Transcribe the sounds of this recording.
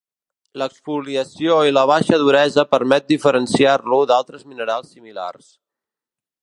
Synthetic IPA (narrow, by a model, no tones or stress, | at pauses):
ləksfuliəsioiləβ̞aʃəðuɾɛzəpəɾmɛt̪̚d̪ifəɾənsiarluðalˠt̪ɾəzminəɾalˠsːimila̰rs